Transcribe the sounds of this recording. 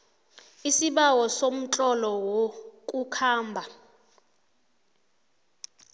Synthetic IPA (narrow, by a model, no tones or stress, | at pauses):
isiɓawɔsom̩t͡ɬʼɔlɔwokʼukʰaːmbʱa